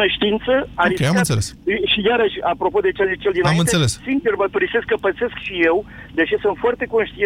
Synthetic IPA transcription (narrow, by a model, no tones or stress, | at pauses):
əʃt̪iint̪səaikeammɨnt̪selesʃijaɾəʃʲapɾo̞po̞d̪e̞t͡ʃeazit͡ʃeld̪inaamiɨnt̪eselessint͡ʃermət̪uɾise̞skːəpət̪se̞skʃije̞wd̪et͡ʃesunt̪fwart̪e̞ko̞nʃt̪ie